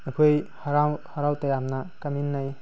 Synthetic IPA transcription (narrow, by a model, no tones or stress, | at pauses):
ɐkʰujhaɾawhaɾawtɐjamnakɐminːaj